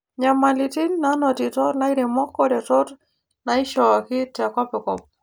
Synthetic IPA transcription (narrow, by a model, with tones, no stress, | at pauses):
ɲa˨ma˨lɪ˨tɪ˦nna˦nɔ˨tɪ˨tɔ˦ɾna˦ɪ˦ɾɛ˨mɔ˦kːɔ˦dɛ˨tɔ˦ɾ | na˨ɪ˦ʃɔ˨a˨kɪ˦ta˨kɔ˦pɛ˨kɔp̚